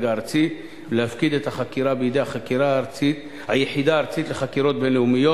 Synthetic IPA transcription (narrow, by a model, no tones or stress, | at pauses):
ɡaːɾt͡sit | lehafkid̪et̪haχakiɾabejed̪ehaχakiɾaːɾt͡sit̪ | hajeħid̪aːɾt͡sit̪leχakiɾo̞t̪̚benleumijo